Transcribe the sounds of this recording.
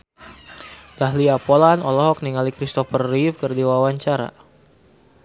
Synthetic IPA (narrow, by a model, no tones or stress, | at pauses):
d̥aɦliapɔlanɔlɔɦɔk̚niŋalikɾist̪ɔfərːifkərdiwawaɲt͡ʃaɾa̰